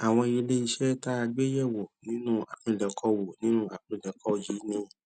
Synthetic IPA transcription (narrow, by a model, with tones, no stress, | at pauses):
a˨w̃ɔ̃˧i˧o˧le˦i˧ʃɛ˦ta˦a˧ɡ͡be˦jɛ˦˨wo˨nĩ˨˦nũ˦a̰˨k͡pĩ˧˨lɛ˨˧kʰɔ˧˦wo˨nĩ˦nũ˦a˨k͡pĩ˧˨lɛ˨˦kʰɔ˧˨d͡ʒi˨˦nĩ˧